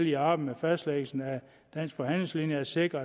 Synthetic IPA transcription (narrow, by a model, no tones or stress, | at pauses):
liɑ̈b̥m̩mefæsd̥leːɡ̥l̩sn̩æ | d̥æn̰sɡ̥fɒ̽ɦæn̰le̝ŋslinjəæɐse̝ɡ̥ʁɐ